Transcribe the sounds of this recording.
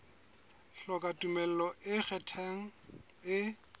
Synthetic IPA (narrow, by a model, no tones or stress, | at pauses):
ɬɔkʼatʼumɛl̩lɔʔɪk͡xɛtʰɛŋ̩ | ɪ